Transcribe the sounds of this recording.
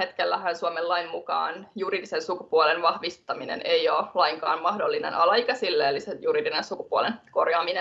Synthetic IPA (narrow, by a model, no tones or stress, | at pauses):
et̪kelːæɦænsuomelːɑinmukɑ̰ːnjuriːdisensukupuolenʋɑhʋist̪ɑminḛneioːlɑiŋkɑːnmɑhdolːinḛnʔɑ̰lɑikɑsilːeːlisejuriːdinensukupuolenko̞rjɑːmine